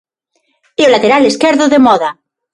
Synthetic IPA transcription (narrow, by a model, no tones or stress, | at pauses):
iolat̪eɾaleskeɾðoðemɔða